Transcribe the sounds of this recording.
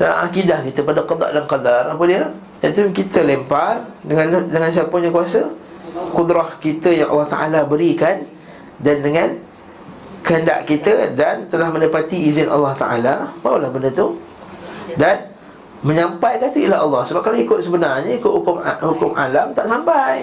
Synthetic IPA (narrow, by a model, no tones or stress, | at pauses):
dala̰ŋa̰kidahkit̪əpadaqɔd̪a̰ʔdanqadarapədiə | dat̪ukit̪ʰəlempardəŋandəŋans̬iapʊɲãkuasə | qud̪ɾɔhkit̪əjaŋʔɑ̰lːɑht̪a̰ʔalabəɾikan | dandəŋãn | kəɦənda̰ʔkit̪ədant̪əlahmə̃ndapat̪iizɪnʔɑ̰lːɑht̪a̰ʔa̰lamaulahbəndət̪u | dan | məɲãmpajkat̪uilaɦɑlːɑhsəbap̚kaloikʊt̪̚səbənarɲəikʊt̪̚hukʊmhukʊmʔalamt̪aʔsampaj